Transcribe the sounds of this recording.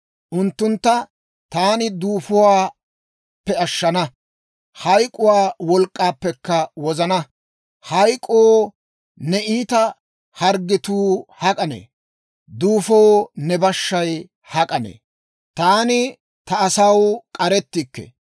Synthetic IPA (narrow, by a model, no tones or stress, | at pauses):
ʔʊnt̪ːʊnt̪ːɐ | t̪aːnɪd̪uːfʊwaː | pːɛɐʃːɐnɐ | hɐjkʼʊwaːwɔlkʼːaːpːɛkːɐwɔzɐnɐ | hɐjkʼoː | nɛʔiːt̪ɐ | hɐɾɡɪt̪uːhɐkʼɐnḛː | d̪uːfownɛbɐʃːɐj | hɐkʼɐnḛː | t̪aːnɪ | t̪ɐːsɐwkʼɐɾɛt̪ːɪkːɛ̰